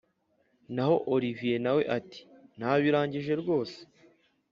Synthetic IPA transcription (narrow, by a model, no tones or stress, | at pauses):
naho̞ʔoɾivije̞nawe̞̰ʔati̥n̥haβiɾaːɲɟiʒe̞ɾɡo̞ːse̥